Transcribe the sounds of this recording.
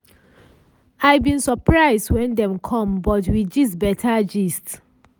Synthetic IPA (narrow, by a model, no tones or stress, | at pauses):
aɪbĩnsɔpʰɹaɪzdwɛ̃ndɛ̃mkʰɔ̃mbɔtwid͡ʒisbɛtʰad͡ʒist